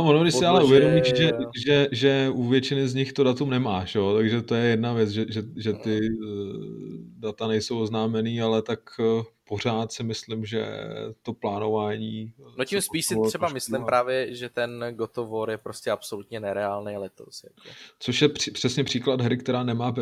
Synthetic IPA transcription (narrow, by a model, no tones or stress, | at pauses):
vonodɪʃsɪalɛʔuvjɛdomiʒɛʒɛʒɛuvjɛt͡ʃɪnɪzɲɪxt̪odat̪umnɛmaːʒɛot̪aɡʒɛt̪o̞jɛjɛdnavjɛt͡sʒɛʒɛʒɛt̪ɪ | dat̪anɛjsowoznaːmɛniːalɛt̪akpo̞r̝aːt̪sɪmɪslɪmʒɛ̰t̪o̞plaːno̞vaːɲiːnoɪmspiːʃsɪsɛbamɪslɪmpɾaːvjɛʒɛt̪ɛnɡot̪ovoɾjɛpɾoscɛʔapsolut̪ɲɛnɛɾɛaːlnejlɛt̪o̰sja̰kot͡soʃjɛipr̥ɛsɲɛpr̝̥iːklad̪ɦɾɪkt̪ɛɾaːnɛmaː